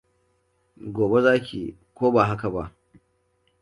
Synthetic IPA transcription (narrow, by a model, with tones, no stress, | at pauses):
ɡʷoː˨be˦zaː˦kʲḭː˨ | kʷoː˦ba˨ɦa˦ka˨ba˦ʔ